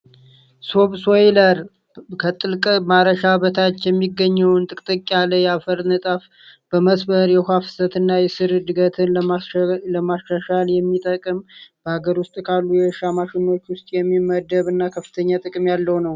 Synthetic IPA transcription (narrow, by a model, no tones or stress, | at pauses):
so̞βsojləɾ | kʰət̪ʼɨlkʼmaɾəʃabət̪ʰat͡ʃːjɛmːiɡːəɲːɛwnt̪ʼɨkʼt̪ʼəkʼːaləjafəɾnɨt̪ʼaf | b̥əməsbəɾjɛhʷafɨ̥sət̪ɨnːajɛsɨɾd̪ɨɡət̪ʰɨnlələmasʃaʃaljɛmːit̪ʼəkʼɨmb̥əhaɡəɾwʊst̪ʼkʰalːujɛʃamaʃɪnːo̞t͡ʃːwʊst̪ʼjɛmːiməd̪əβɨnːakʰəfːɨ̥t̪ʰəɲːat̪ʼɨkʼɨmjalːəwnəw